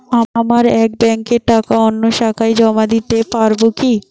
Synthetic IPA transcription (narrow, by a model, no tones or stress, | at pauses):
amaɾɛk̚bɛŋkeʈakaonːoʃakʰajd͡ʑɔmad̪it̪epaɾboki